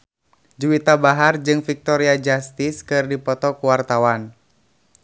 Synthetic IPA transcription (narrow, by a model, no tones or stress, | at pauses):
d͡ʒuwit̪abaɦard͡ʒɨŋfik̚t̪ɔɾiad͡ʒast̪iskɨrdipɔt̪ɔkuwart̪awan